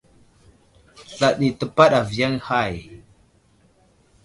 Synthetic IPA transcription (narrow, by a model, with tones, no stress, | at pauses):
ɬa˨ɗi˨tə˨pa˦ɗa˨vi˨ja˦ŋha˦˨j